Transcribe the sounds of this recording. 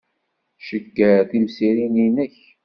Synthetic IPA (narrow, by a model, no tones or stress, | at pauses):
ʃəɡːæθimsiɾininəç